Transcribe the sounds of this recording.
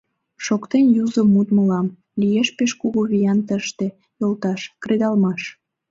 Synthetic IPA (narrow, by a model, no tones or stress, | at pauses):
ʃokt̪enjuzəmːut̪mə̆lɑm | lijeʃpeʃkuɣuβijɑnt̪əʃt̪e | jolt̪ɑʃkred̪ɑlmɑʃ